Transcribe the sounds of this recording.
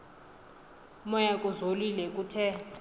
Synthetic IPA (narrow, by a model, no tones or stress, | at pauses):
mɔjakʼuzolilɛk̬ʼutʰɛ